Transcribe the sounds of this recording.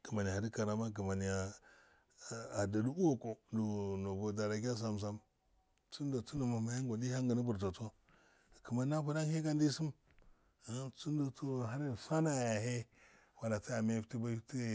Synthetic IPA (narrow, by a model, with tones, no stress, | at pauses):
ki˨ma˨n˨ha˨ɾi˦ka˨ɾa˨ma˦ɡ̬i˨ma˨ni˨a˨ | a˨da˨du˦u˦wo˦ko˨du˨no˨bo˨da˨ɾa˨ɡʲa˦s̬a˨ms̬a˦m | t͡su˦ndo˨t͡su˦no˨ma˨ma˨ha˦ŋ˦ɡo˨di˦ha˦ŋɡə˨ni˦bu˨ɾto˨to˦˨ | ki˨ma˦na˦pu˦da˦hi˦ka˦ndi˦si˦m | a˨˦t͡su˦n˦do˨tu˦˨ɦa˦ɾi˦˨sa˦na˨ja˨he˦ | wa˨la˨ti˦a˨me˦fti˦ba˦ti˦˨